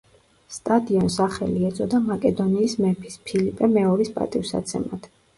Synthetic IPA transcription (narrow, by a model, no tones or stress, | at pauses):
st̪ʼad̪iɔnsaχɛ̰liɛt̪sʼɔd̪amakʼɛd̪ɔniːsmɛpʰi̥spʰilipʼɛmɛɔɾispʼa̰t̪ʼifsa̰t̪sʰɛ̰mad̪̥